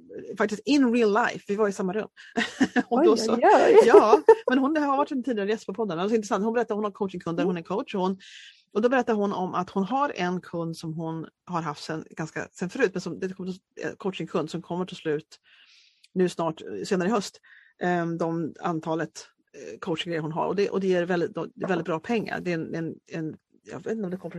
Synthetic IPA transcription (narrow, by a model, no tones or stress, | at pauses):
fakt̪ɪst̪ɪnɾɪllːajfvɪvaɾɪsamːaɾɵ̰mː | ɔd̪ɔsɔjɑːmɛnɦʊnhhaɾvaʈːɛnt̪iːd̪ɪɡaɾəjɛst̪̚pʰɔpʰɔd̪ːanad̪sɔɪnt̪ɾsant̪hʊnbɛɾɛt̪ːaɾhʊnɔmkʰoʊt̪t͡ʃɪŋkʰɵnd̪d̪æɾhʊnæɾkʰoʊtʂhʊnː | ɔd̪ɔbɛɾɛt̪ːaɾɦʊnɔmʔa̰t̪hʊnɦaɾɛ̰nkʰɵnd̪sɔmɦʊnhaɾɦaft̪sɛnɡ̥anska̰sɛnfœɾʉ̟ːt̪̚mɛnsɔmd̪ɛkʰɔmːəʈʰɪ | ɛ̰kʰoʊt̪ʂɪŋkʰɵnd̪sɔmkʰɔmːəʈʰɪlslʉ̟ːt̪ | nʉ̟ːsnɑːʈseːnaɾəɦœst̪ | d̪ɔma̰nt̪ʰɑːlət̪ | kʰoʊʂŋɡɾɛjəɾhʊnɦa̰ɾɔ̰d̪ɛʔɔd̪ɛjeːɾvɛld̪ɪd̪ɔɛvɛlɪt̪̚bɾɑːpʰɛŋːa̰ɾd̪ɛnɛnɛn | jɑ̰vet̪ɪɔmd̪ɛkʰɔmːəf